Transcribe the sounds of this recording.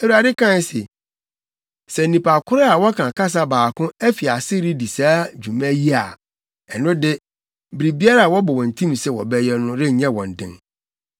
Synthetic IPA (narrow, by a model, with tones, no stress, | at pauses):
ɛ˨wu˨˦a˨dɪ˦kʰã˦˨n˨sɪ˨ | sɛ˨nĩ˨pa˨kʰʊ˦ɾɛ˦a˨wɔ˦kʰã˨ka˦s̬a˦baː˨kʰʊ̃˦æ˦fi˨a˨sɪ˦ɾi˦di˨saː˦d͡ʑᶣu˨mɛ̃˦ji˦a˨ | ɛ˨nʊ̃˦dɪ˦ | bɾi˨bi˦a˦ɾa˦a˨wɔ˦bɔ˨wɔ̃˨n̩˨tʰĩ˦m˨sɛ˦wɔ̰˨bɛ˦jɛ˦nʊ̃˦ɾɛ˦ɲ˨ɲɛ̃˦wɔ̃˨n˨dɪ̰̃˦n